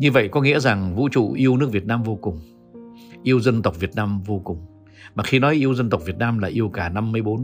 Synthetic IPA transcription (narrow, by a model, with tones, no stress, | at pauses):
ɲɨ˧və̰˧˨jkɔ˨˦ŋḭ˧˥əza˨˩ŋvṵ˧˥t͡ɕṵ˧˨ʔi˧əwnɨ˦˥k̚vət̚naː˧mvo˧kʊ˨˩ŋ͡m | ʔi˧əwzə˧nt̪ə˨˩wk͡p̚vi˨˩ət̚naː˧mvo˧kʊ˨˩ŋ͡m | maː˨˩xi˧nɔ˨˦jʔi˧əwzə˧nt̪ə˨˩k͡p̚vi˨˩ət̚naː˧mlaː˨˩ʔi˧əwkaː˧˩na˧mːɨ˧jɓo˨˦n